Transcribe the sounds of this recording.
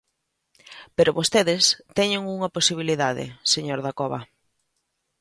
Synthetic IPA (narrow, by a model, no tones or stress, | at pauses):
peɾoβost̪eðɪst̪ɛɲeŋuŋɐposiβ̞iliðaðɪ̰seɲoɾðakɔβɐ